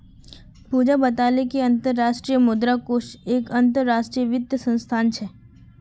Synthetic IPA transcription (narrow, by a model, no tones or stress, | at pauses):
puːd͡ʒabɐt̪aːlekeɐ̃nt̪əɾːaːʃʈɾiːjəmʊd̪ɾakoːʃeːkɐ̃nt̪əɾːaːʃʈɾijəʋɪd̪jəsə̃nst̪ʰaːnt͡ʃʰɛ